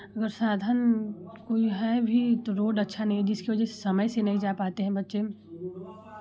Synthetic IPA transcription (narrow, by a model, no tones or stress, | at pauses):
ɐɡəɾsaːd̪ʱankoːiɦɛbʱit̪oɾoːɖɐtːʃʰanɐɦĩɛd͡ʒɪskeʋɐd͡ʒɛse̥sɐməjsenɐɦĩd͡ʒaːpaːt̪eɦɛ̃bɐtːʃem